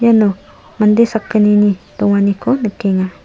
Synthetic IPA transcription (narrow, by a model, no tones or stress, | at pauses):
jano | mand̪esakːəninit̪uŋanikonəkːiŋa